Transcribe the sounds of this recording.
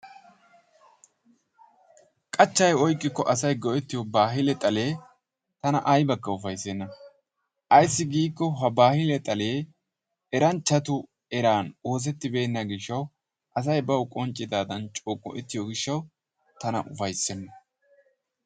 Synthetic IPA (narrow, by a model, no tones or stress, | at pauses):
kʼɐt͡ʃːɐjɔjkʼːɪkːɔʔɐsɐjɡɔʔɛt̪ːɪjɔbaːɦɪlɛt̪ʼɐle̞ː | t̪ɐnɐʔɐjbɐkːɐʊfɐjsɛnːɐ | ʔɐjsːɪɡiːkːɔɦɐbaːhɪlɛt̪ʼɐle̞ː | ɛɾɐnt͡ʃːɐt̪ʊ | ɛɾaːno̞ːs̬ɛt̪ːɪbe̞ːnːɐɡɪʃːɐw | ʔɐs̬ɐjbɐwʊkʼɔnt͡ʃʼːɪd̪aːd̪ɐnt͡ʃʼoːkʼːɔ̰ʔɛt̪ːɪjɔɡɪʃːɐw | t̪ɐnɐ̰ʔʊfɐjsɛnːɐ